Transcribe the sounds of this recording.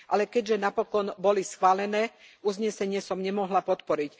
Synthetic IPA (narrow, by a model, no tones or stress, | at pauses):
ʔalɛkɛɟʒɛnapɔkɔnbɔlisxʋaːlɛnɛːuzɲɛsɛɲɪɛsɔmɲɛmɔɦlapɔt̪pɔɾic